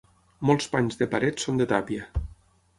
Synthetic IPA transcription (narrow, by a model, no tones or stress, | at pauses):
mɔlˠspaɲzðəpaɾɛt̪sond̪ət̪apiə